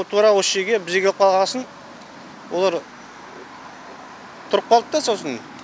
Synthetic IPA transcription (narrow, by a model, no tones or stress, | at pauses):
t̪ʰuɾɑwosʃeɡʲebɪzeɡʲelɪp̚qʰɑlˠʁɑɑsən | wolˠɑɾ | t̪ʰʊɾəq̚pɑlˠət̪ːɑso̞sən